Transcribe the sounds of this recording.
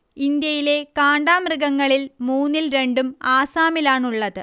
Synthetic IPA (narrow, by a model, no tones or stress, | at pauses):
ind̪jɐjile̞kaːɳɖaːmrɨɡɐŋːɐɭilmuːnːilɾe̞ɳɖumaːsaːmilaːɳuɭːɐðɨ